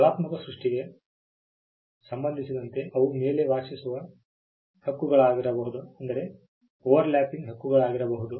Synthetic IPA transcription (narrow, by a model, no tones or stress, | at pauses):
ɐɭaːt̪mɐkɐsɾuʂʈiɡe̞ | sɐmbɐnd̪ʱisid̪ɐnt̪e̞ʔɐʋume̞ːle̞ʋaːʂisuʋɐ | hɐkːuɡɐɭaːɡiɾɐbɐɦud̪uɐnd̪ɐɾe̞ | oːʋɐɾljaːpiŋɡɦɐkːuɡɐɭaːɡiɾɐbɐɦud̪u